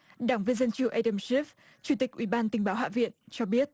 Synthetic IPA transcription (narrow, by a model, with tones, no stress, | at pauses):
ɗaː˧˩ŋvi˧nzə˧nt͡ɕɨ˧˩ʔa˧ɗə˧msi˦˥f̚ | t͡ɕu˧˩t̪i˨˩k̚ʔwḭ˧˩ɓaː˧nt̪ï˨˩ŋ̟ɓaː˨˦wɦa̰ː˧˨vḭ˧˨ənt͡ɕɔ˧ɓi˦˥ət̚